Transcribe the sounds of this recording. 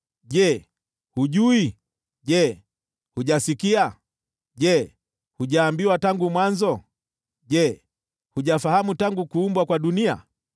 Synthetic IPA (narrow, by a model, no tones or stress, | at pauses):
ʄɛ | huʄui | ʄɛ | huʄasikia | ʄɛ | huʄaːmbiwataŋɡumwanzɔ | ʄɛ | huʄafahamutaŋɡukuːmbwakwaɗunia̰